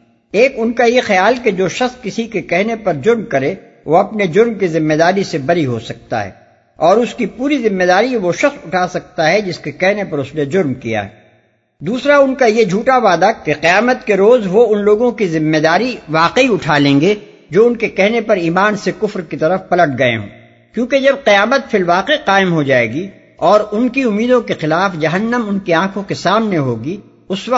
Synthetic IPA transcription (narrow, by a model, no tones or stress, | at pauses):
eːkʊnkajexɐjaːlked͡ʒoːʃɐxskɪsikekɛɦnepɐɾd͡ʒʊɾmkɐɾe | ʋoɐpned͡ʒʊɾmkizɪmːed̪aːɾisebɐɾiɦo̰sɐk̚t̪a̰ɦɛ̰ː | ɔːɾʊskipuːɾizɪmːed̪aːɾiʋoʃɐxsʊʈʰaːsɐk̚t̪aɦɛd͡ʒɪskekɛɦnepɐɾʊsned͡ʒʊɾmkija̰ɦɛ̰ː | d̪uːsɾaʊnkajed͡ʒʱuːʈaʋaːd̪akeqɪjaːmət̪keɾoːzʋoʊnloːɡõkizɪmːed̪aːɾiʋaːqeiʊʈʰalẽːŋɡe | d͡ʒoːʊnkekɛɦnepɐɾiːmaːnsekʊfɾkit̪ɐɾəfpɐləʈ̚ʰɡɐḛɦõ̰ː | kjõːked͡ʒɐb̚qijaːmət̪fʰɪlʋaːqeqaːɪmɦod͡ʒaːḛːɡi | ɔːɾʊnkiʊmːiːd̪õkexɪlaːfd͡ʒɐɦənːəmʊnkeãːkʰõkesaːmneɦoːɡi | ʊsʋɐ